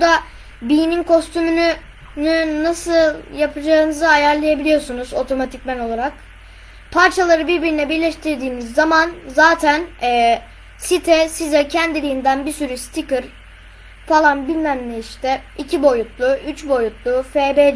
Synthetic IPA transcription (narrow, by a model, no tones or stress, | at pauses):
bud̪a | bijninkʰo̞st̪ʰymyny | nynasɯlˠjapʰad͡ʒaːɯnɯzɯajæɾlˠajabilʲijo̞sunuzo̞t̪ʰo̞mat̪ʰicmæno̞lˠaɾak | pʰaɾt͡ʃʰalˠaɾɯbiɾbiɾinɛbiɾlʲɛʃt̪ʰiɾd̪iːmizːamanzaːt̪ʰænɛː | sit̪ʰɛsizɛcʰænd̪ilʲijːnd̪ænbiɾsyɾyst̪ʰikɯɾ̥ | falˠanbilʲmæmnɛiʃt̪ʰɛicʰibo̞jut̪lˠuyt͡ʃbo̞jut̪lˠufeːbe